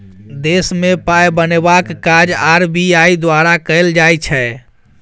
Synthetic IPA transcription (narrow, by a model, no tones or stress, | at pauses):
d̪esmepajbənebakːad͡ʒaɾbiaid̪waɾakəɪld͡ʒajt͡ʃʰɛ